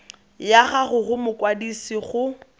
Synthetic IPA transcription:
jaɣaɣʊɣʊmʊkwadisiχʊ

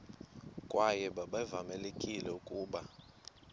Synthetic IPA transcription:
kʼwʔajɛɓaɓavamɛlekʼilɛukʼuːɓa

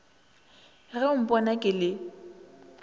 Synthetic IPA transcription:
ɣɛʊm̩pʼɔnakʼɪlɪ

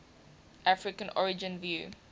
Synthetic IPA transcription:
ʔafɹɪkə̃nʔɔɹɪd͡ʒə̃nvjṵː

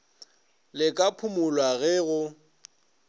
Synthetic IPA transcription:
lɪkʼapʰʊmʊlwaɣɛɣʊ

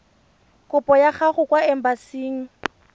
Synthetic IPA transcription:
kʼʊpʼɔjaχaχʊkwaɛm̩basiːŋ̩

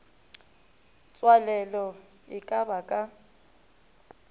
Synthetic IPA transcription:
t͡sʼwalɛlɔ | ɪkʼabakʼa

